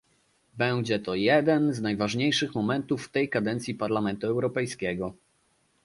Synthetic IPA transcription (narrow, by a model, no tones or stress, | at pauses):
bɛwd͡ʑɛt̪ɔjɛd̪ɛnznajvaʐɲejʂɘxmɔmɛnt̪ufːt̪ɛjkad̪ɛnt̪sʲjipaɾlamɛnt̪uɛwɾɔpɛjskʲɛɡɔ